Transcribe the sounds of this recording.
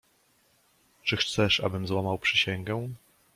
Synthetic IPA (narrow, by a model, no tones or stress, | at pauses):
t͡ʂɘxt̪sɛʂa̰bɘmzwamawpʂɘɕɛŋɡɛ̃